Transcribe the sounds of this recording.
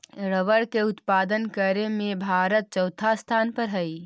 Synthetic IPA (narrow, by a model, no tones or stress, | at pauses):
ɾəʋəɽkeʊt̪paːd̪ənkəɾemẽbʱaːɾət̪̚t͡ʃəwt̪ʰast̪ʰaːnpəɾɦəi